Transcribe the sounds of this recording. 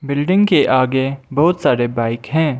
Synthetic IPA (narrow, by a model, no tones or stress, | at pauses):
bɪlɖɪ̃ŋɡkeʔaːɡebɔɦʊt̪saːɾebaːɪkɦɛ̃ː